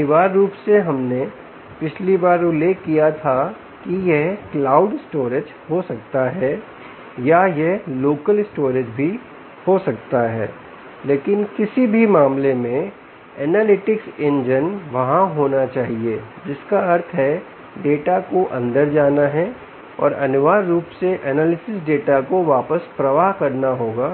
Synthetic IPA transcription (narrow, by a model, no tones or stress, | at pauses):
nɪʋaːɾːuːpseɦɐmne | pɪt͡ʃʰlibaːɾoleːkijat̪ʰa | kijeɦklaːʊɖɪsʈoːɾɪd͡ʒ | hosɐk̚t̪aɦɛː | jajɛɦloːkəlɪsʈoːɾɪd͡ʒbʱi | hosɐkt̪aɦɛ̰ː | leːkɪnkɪsibʱimãːmlemẽ | ɛːnaːlɪʈɪksẽɲd͡ʒənʋɐɦãɦoːnat͡ʃaːɦied͡ʒɪskaɐɾt̪ʰɦɛ | ɖeːʈakoʔɐ̰̃nd̪əɾd͡ʒaːnaɦɛ | ɔ̰ːɾɐnʊʋaːɾːuːpseʔɛːnaːlɪsɪsɖeːʈakoʋaːpəspɾɐʋaːɦkɐɾnaɦoːɡaː